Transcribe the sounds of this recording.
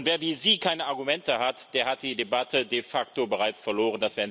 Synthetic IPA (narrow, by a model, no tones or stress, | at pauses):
tv̥eːɐviːziːkʰaɪnəaɐɡumɛntəhatd̥eːɐhat̚d̥iːdebatʰədefaktobəʁ̞aɪt͡sfɛɐloːʁ̞əndasv̥ɛː